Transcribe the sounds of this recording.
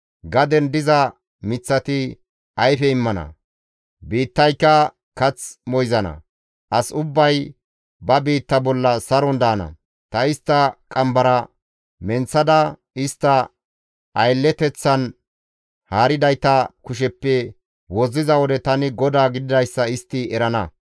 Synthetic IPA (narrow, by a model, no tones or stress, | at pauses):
ɡɐd̪ɛnd̪ɪzɐ | mɪt͡sːɐt̪ɪ | ɐjfɛɪmːɐnɐ̰ | biːt̪ːɐjkːɐ | kɐt͡smɔjzɐnɐ̰ | ʔɐsʊbːɐj | bɐbiːt̪ːɐbɔlːɐsɐɾɔnd̪aːnɐ̰ | t̪ɐɪst̪ːɐkʼɐmbɐɾɐ | mɛnt͡sːɐd̪ɐ | ɪst̪ːɐ | ʔɐjlːɛt̪ɛt͡sːɐn | haːɾɪd̪ɐjt̪ɐkʊʃ̬ɛpːɛ | wɔzːɪzɐwɔd̪ɛt̪ɐnɪɡɔd̪aːɡɪd̪ɪd̪ɐjsːɐɪst̪ːɪɛɾɐnɐ